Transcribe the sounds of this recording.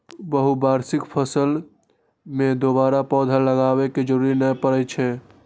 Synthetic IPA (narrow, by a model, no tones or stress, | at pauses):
bəɦubaːɾsɪkpʰəsəl | mẽd̪obaːɾapɔːd̪ʱaləɡaːβeked͡ʒəɾuːɾinəjpəɾɛt͡ʃʰɛ